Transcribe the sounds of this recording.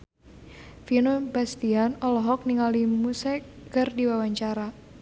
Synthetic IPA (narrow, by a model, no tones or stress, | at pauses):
finobast̪ianɔlɔɦɔk̚niŋalimusɛkɡərdiwawaɲt͡ʃaɾa